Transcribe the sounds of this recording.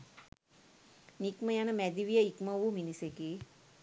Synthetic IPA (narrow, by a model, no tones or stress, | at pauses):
nikməjanɐmɛd̪iʋijəikmɐʋuminiseki